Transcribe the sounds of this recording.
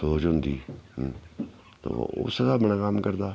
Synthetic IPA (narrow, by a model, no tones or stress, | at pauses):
soːd͡ʒɦʊnd̪iː | t̪o̰ːʊ̰səd̪aːbəɳaːkəmkəɾd̪aː